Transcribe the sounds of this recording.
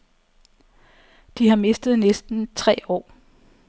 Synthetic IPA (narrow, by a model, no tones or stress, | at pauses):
d̥iɦɑ̈me̝sd̥ð̞̩ˠnesd̥n̩t͡sʰʁɛ̰ːɒ̰ː